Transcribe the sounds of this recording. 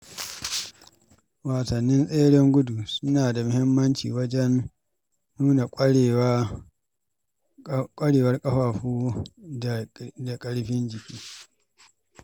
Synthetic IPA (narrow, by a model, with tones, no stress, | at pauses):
waː˨sɐ˨nːɪ˦nsʼeː˦ɽɪ˦ŋɡʷʊ˦du˨sʊ˦naː˨da˨mʊ˦hɪ˦mːɐ˦nt͡ʃḭː˨wɐ˦d͡ʒɛ˦nː | uː˦na˨kʼː | kʷʼɐ˦ɽeː˨wɐ˦rkʼɐ˦ɸaː˨ɸuː˦˨ | da˨kʼɐ˦ɽɸɪ˦nd͡ʒɪ˨kʲʼiː˦